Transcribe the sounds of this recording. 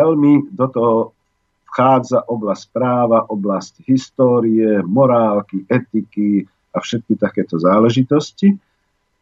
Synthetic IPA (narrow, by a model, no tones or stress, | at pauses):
ɛlmid̪ɔt̪ɔɦɔ | fxaːd͡zaʔɔblasspɾaːʋaʔɔblascɦist̪ɔːɾiɛmɔɾaːlkiʔɛt̪iki | afʃɛt̪̚kit̪akɛːt̪ɔzaːlɛʒit̪ɔsci